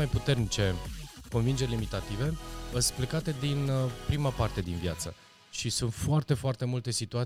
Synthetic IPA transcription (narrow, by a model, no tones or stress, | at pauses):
ajput̪e̞rnit͡ʃe̞ko̞nvind͡ʒeɾʲelimit̪at̪ive̞əsplekat̪e̞d̪inpɾimapart̪e̞d̪invjat̪sə | ʃisunt̪foart̪e̞foart̪e̞mult̪e̞sit̪ua